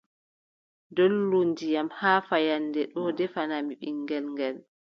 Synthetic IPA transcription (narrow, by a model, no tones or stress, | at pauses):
dolːundijamhaːfajanːdɛɗɔdɛfanamiɓiŋːɡɛlŋɡɛl